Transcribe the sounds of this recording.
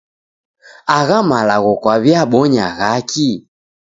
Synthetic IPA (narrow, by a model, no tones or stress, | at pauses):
aɣamalaɣɔkwaβjaɓɔɲa̰ɣaki